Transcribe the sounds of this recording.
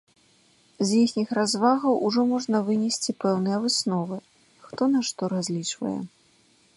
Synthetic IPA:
zjixnʲixrazvaɣɐwʔuʐɔmɔʐnɐvɨnʲɛsʲt͡sʲipɛwnɨjɛvɨsnɔvɨ | xt̪ɔnaʂt̪ɔɾazʲlʲit͡ʂvɐ̰jɛ̰

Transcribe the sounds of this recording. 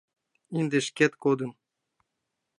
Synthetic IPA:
ind̪eʃkʲet̪kod̪ɤ̆n

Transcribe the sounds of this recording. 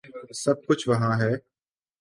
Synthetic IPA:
sɐb̚kʊt͡ʃʰʋɐɦãɦɛː

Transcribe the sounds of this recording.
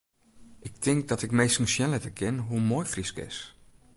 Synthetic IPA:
ʔɪk̚tʰɪŋk̚dɔtɪkmejsn̩sjɛlɛtəkʰɪnɦumoːjfriskɪ̰s

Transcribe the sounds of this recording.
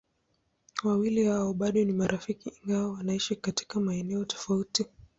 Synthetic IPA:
wawilihaɔɓaɗɔnimaɾʔafikiːŋɡawawanaiʃikati̥kamaɛnɛɔtɔ̥fauti

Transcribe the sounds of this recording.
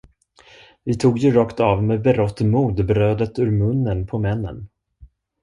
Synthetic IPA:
vɪt̪ʰuːɡjɵɾɑːkt̪ɑvmeːbɛɾɔt̪ːmuːd̪bɾøːd̪ət̪ʉːɾmɵnːənpʰɔmɛnːə̰n

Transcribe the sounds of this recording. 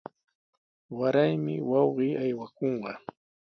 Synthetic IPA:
waɾajmɪ̰wɑwɢiːajwakoɴɢɑ

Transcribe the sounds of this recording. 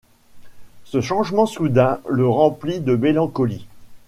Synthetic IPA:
səʃɑ̃ʒmɑ̃sud̪ɛ̃ləʁɑ̃plid̪əmelɑ̃kɔli

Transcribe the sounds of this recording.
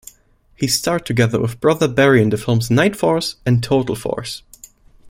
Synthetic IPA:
histɑɹtʰɨɡɛðə̰˞wɪ̰ðbɹʌðə˞bɛɹiɨ̃nðɨfɪlˠmznaɪtfɔɹsɨ̃ntʰoʊɾl̩ˠfɔ̰ɹs

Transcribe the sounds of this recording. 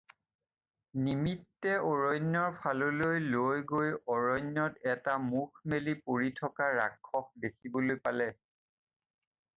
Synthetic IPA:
nimitːɛʔɔɹɔjnjɔɹpʰalolojlojɡojɔɹɔjnjɔtɛtamukʰmelipoɹitʰɔkaɹa̰kʰːɔx̚dekʰibolojpalɛ

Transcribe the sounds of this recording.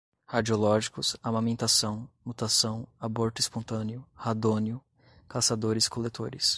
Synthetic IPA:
had͡ʒiolɔʒikʊsamamẽnt̪asɐ̃w̃mut̪asɐ̃w̃aboɾt̪ʊispõnt̪ɐ̃neʊhad̪õnɪʊ | kasad̪oɾɪskʰolet̪ʰoɾɪs

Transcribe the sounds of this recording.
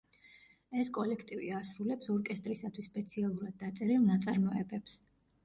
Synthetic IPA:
ɛskʼɔlɛkʰt̪ʼivḭasɾulɛpsɔɾkʼɛst̪ʼɾisat̪ʰwisːpʼɛt̪sʰialˠuɾad̪̚ːat̪sʼɛɾilˠnat̪sʼaɾmɔɛbɛps

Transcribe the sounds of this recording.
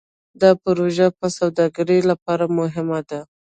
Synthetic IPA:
d̪ɑpʊɾoʒapəsawd̪ɑɡaɾəlapɑɾamʊɦɪmad̪a

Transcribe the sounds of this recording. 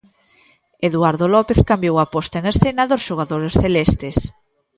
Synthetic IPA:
eðuaɾðolɔpeθkambjowapɔst̪aeŋesθenaðosʃoɣ̞aðoɾesθelest̪es

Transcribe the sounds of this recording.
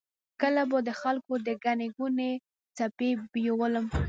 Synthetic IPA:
kəlabəd̪əxalkod̪əɡaneɡune | t͡sapebjewələm

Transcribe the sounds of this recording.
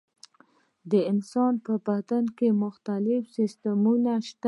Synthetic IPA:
d̪əɪnsɑnpəbad̪ankemʊxt̪alɪfsɪst̪amunaʃt̪a

